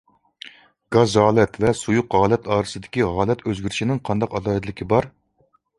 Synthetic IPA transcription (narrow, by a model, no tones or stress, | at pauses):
ɡ̥ɑzʁɑːlˠɛt̪vɛsujuqʁɑːlˠɛt̪ʰɑːɾɨsɨd̪ɪkʲiʁɑːlˠɛt̪ʰøzɡʲyɾɪʃinɪŋqʰɑnd̪ɑqɑd̪ɑːɨd̪lɪkʲibɑɾ